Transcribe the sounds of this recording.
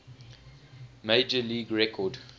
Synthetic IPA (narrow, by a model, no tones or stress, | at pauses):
meɪd͡ʒəliːɡɹɛkʰɔd